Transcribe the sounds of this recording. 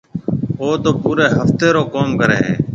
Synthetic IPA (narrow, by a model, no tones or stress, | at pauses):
oːt̪oːpuːɾeːɦəft̪eːɾoːkoːmkəɾḛːɦḛ̃ː